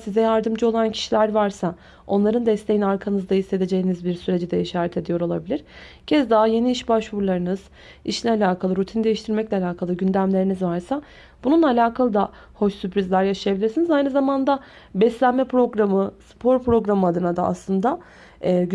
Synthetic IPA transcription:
sizɛjaɾd̪ɯmd͡ʒɯo̞lˠancʰi̥ʃilʲæɾvaɾsa | o̞nlˠaɾɯnd̪ɛslʲe̞jinaɾkʰanɯzd̪aɦisːe̞d̪e̞d͡ʒe̞jinizbiɾsyɾe̞d͡ʒɛd̪ɛiʃaːɾɛt̪ʰe̞d̪ijo̞ɾo̞lˠabilʲiɾ̥ | cʰɛzd̪aɦaje̞niiʃbaʃvuɾlˠaɾɯnɯz̥ | iʃinʲɛalʲaːkʰalˠɯɾut̪ʰinid̪e̞jiʃt̪ʰiɾmɛclʲɛalʲaːkʰalˠɯɟynd̪æmlʲe̞ɾinizvaɾsa | b̥ununalʲaːkʰalˠɯd̪a | ho̞ʃsypɾizlʲæɾjaʃajabilʲiɾsinizajnɯzamand̪a | bɛslʲænmɛpɾo̞ɡɾamɯspʰo̞ɾpɾo̞ɡɾamɯad̪ɯnad̪aa̰slˠɯnd̪aː

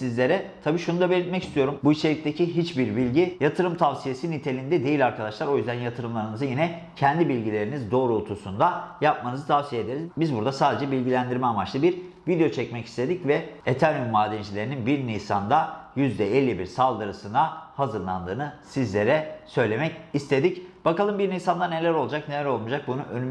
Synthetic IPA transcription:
sizlʲe̞ɾɛt̪ʰabiːʃunud̪abelʲit̪mɛcist̪ʰijo̞ɾumbuit͡ʃʰeic̚t̪ʰecʰiɦit͡ʃbiɾbilʲɟijat̪ʰɯɾɯmt̪ʰavsije̞sinit̪ʰe̞lʲind̪ɛd̪e̞jilʲaɾkʰad̪aʃlˠaɾo̞jyzd̪ænjat̪ʰɯɾɯmlˠaɾɯnɯzɯjinɛ | cʰɛnd̪ibilʲɟilʲe̞ɾinizd̪o̞ːɾulˠt̪ʰusund̪ajap̚manɯzɯt̪ʰavsije̞d̪eɾizbizbuɾd̪asaːd̪e̞d͡ʒɛbilʲɟilʲænd̪iɾmɛamat͡ʃlˠɯbiɾ | vid̪eot͡ʃʰɛcmɛci̥st̪ʰe̞d̪icvɛet̪ʰænjumːaːd̪ɛnd͡ʒilʲeɾininbiɾnijsa̰nd̪ajyzd̪ɛelʲːibiɾsalˠd̪ɯɾɯsɯnd̪ahazɯɾlˠa̰nd̪ɯːnɯsizlʲe̞ɾɛsø̞jlʲe̞mɛcist̪ʰe̞d̪icb̥akalˠɯmbiɾnijsand̪ane̞lʲæɾo̞lˠd͡ʒakne̞lʲæɾo̞lˠmud͡ʒak̚bunuʔønym

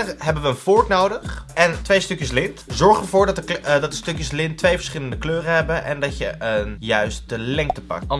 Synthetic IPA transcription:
rɦɛbənʋəːnfʊɹknowdəχɛntʋejstøkjəslɪntzɔɹχəɹvʊːɹdɑtədɑtəstɵkjəslɪntːʋejvəɹsχɪləndəkløːrəɦɛbənʔɛ̰ndɑtjəʔənjœɥst̚dəlɛŋk̚təpɑ̰k̚t

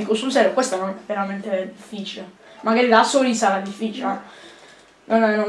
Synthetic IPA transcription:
ikosulsɛɾokwest̪anonɛveɾamɛnt̪ed̪ifːiːt͡ʃilemaɡaːɾid̪asoɾisaɾad̪ifːiːt͡ʃil | nanano

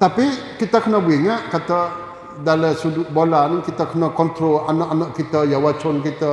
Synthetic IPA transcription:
t̪apikit̪akənabiŋaʔkat̪a | daləsuduʔbolankit̪akənakɔnt̪ɾoanaʔanaʔkit̪ajawat͡ʃɔnkit̪a

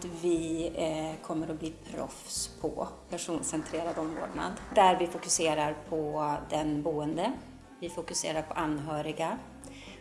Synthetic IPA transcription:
t̪vɪ | kʰɔmːəɾɔbliːpʰɾɔ̰fspʰɔ̰pʰæʂuːnsɛnt̪ʰɾeːɾad̪ɔmvo̰ːɖɳa̰d̪d̪æɾvɪfʊkɵseːɾaɾpʰɔd̪ɛnbuːənd̪ə | vɪfʊkɵsḛːɾaɾpʰɔʔanːɦœːɾɪɡa

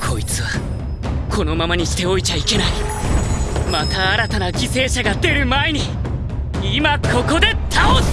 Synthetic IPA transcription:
kʰo̞it͡sɨβa | kʰo̞no̞mamaɲ̟iɕi̥t̪e̞o̞it͡ɕaike̞nai | mat̪aːɾat̪anad͡ʑise̞ːɕaɡad̪e̞ɾɯ̟maeɲ̟i | imakʰo̞ko̞d̪e̞t̪ʰao

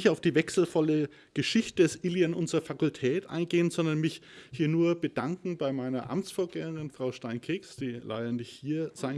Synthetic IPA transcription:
ɪçtaʊfd̥iːvɛksl̩fɔlə | ɡ̥əʃɪçtədɛsʔɪljanʔʊnzʁɐfakʊltʰɛːtʔa̰ɪnɡeːənzɔndɐnmɪçhiːɐnuːɐb̥ədaŋkŋ̩baɪmaɪnɐ̰ʔa̰mt͡sfoːɐɡɛːəʁɪnfʁ̥aʊʃtaɪnkʰeːksd̥iːlʔa̰ɪdɐnɪçthiːɐz̥aɪn

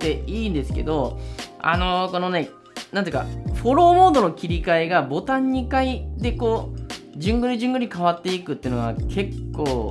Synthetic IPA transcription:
t̪e̞iːnd̪e̞sɨ̥ke̞̰d̪o̞a̰no̞ko̞no̞ne | nãnt̪eɯka̰ɸo̞ɾo̞ːmo̞ːd̪o̞no̞kʲiɾʲikaeɡabo̞t̪ãɲ̟ːikaid̪e̞koː | d͡ʑɨ̃ŋɡɯɾɲ̟iʑɨ̃ŋɡɯɲ̟ikaβat̪ːe̞ikɯ̟t̪ːeɯnoɡakʰe̞kːo̞ː

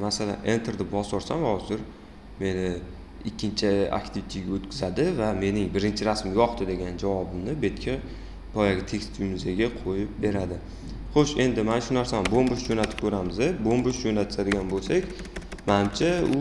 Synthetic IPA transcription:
masala̰nʔent̪ʰɾd̪ɪbɒsɒɾsamhɒzɪɾ | me̞nɪ | ɪkʲːɪnt͡ʃʰɪa̰kʲt̪ʰɪvit̪ʰiɡʲaot̪kʰʲɪzad̪ɪvame̞nɪŋbɪɾɪnt͡ʃʰɪɾasmɪɡʲɒχt̪ɪd̪e̞ɡʲand͡ʒavɒbɪmnɪbe̞t̪kʲʰa | pʰɒjaɡʲɪt̪ʰe̞kʲst̪ʰuʊmɪzaɡʲaqʰojɪp̚be̞ɾad̪ɪ | χoʃe̞nd̪ɪmanʃʊnaɾsanɪbombʊʃd͡ʒonat̪ʰɪ̥p̚kʲʰɵɾamɪzebombʊʃd͡ʒonat̪ʰɪ̥sad̪ɪɡʲanbolˠsakʲ | manɪmt͡ʃʰaʊ

